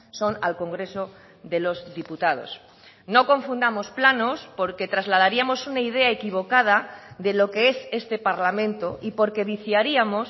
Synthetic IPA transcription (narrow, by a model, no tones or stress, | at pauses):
so̞nalko̞ŋɡɾe̞so | ðe̞lo̞zðiput̪að̞o̞̰s | no̞ko̞ɱfund̪amo̞splano̞spo̞ɾke̞t̪ɾazlað̞aɾiamo̞sunaið̞e̞aekiβo̞kað̞aðe̞lo̞ke̞e̞se̞st̪e̞paɾlamẽ̞nt̪o̞ʔipo̞ɾke̞β̞iθjaɾiamo̞s